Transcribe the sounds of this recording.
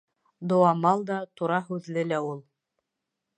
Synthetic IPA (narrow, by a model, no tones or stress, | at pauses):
d̪ŏwɑmɑlˠd̪ɑt̪uɾɑɦʉðlɘlæulˠ